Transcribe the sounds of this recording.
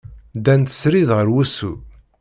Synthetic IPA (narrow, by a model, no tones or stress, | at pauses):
d̪ænt̪ə̥sɾiðʁəɾwusu